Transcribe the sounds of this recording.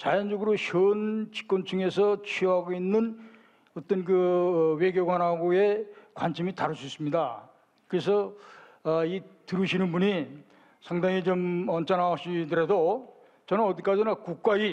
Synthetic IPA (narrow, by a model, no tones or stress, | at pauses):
t͡ɕajʌnd͡ʑʌɡɯɾoɕʰʌnt͡ɕi̥k͈̚wʌnt͡ɕʰuŋe̞sʰʌt͡ɕʰioɦaɡoinːɯn | ʌt͈ʌnkɯwe̞ɡjoɡwanɦaɡoe̞kwanɕʰimitaɾɯɭs͈uis͈ɯmɲida | kɯɾe̞s̬ʰʌː | itɯɾɯɕʰinɯnbuɲi | sʰaŋdaŋit͡ɕomʌnt͡ɕʰanaoɕ͈ʰidɯɾɦe̞do | t͡ɕʌnɯnʌd̪ik͈ad͡ʑinakuk̚k͈ai